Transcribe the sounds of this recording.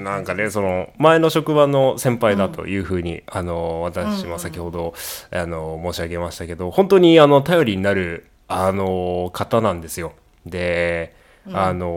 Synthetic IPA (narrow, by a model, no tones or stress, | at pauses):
nãŋkane̞so̞no̞mae̞no̞ɕo̞kɯ̟bano̞sẽ̞mpaid̪at̪o̞̰jɯ̟ːɸɯ̟ːɲ̟ḭano̞βat̪aɕimosakʲiho̞d̪o̞ano̞mo̞ːɕiaɡe̞maɕi̥t̪ake̞d̪o̞hõ̞nt̪o̞ɲ̟iano̞t̪ajo̞ɾʲiɲ̟inaɾɯ̟ | ano̞kʰat̪anãnd̪e̞sɨjo̞ | d̪e̞ | ano̞